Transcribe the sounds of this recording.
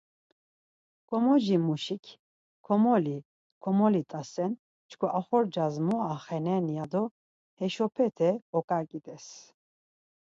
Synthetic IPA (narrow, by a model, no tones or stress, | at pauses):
kʼɔmɔʒimuʃikʰ | kʰɔmɔli | kʰɔmɔlit̪ʼasɛn | t͡ʃʰkʰɔʔaχɔɾd͡ʒazmɔaχɛnɛnijad̪ɔ | hɛʃɔpʰɛt̪ʰɛɔkʼaɾkʼit̪ʼɛs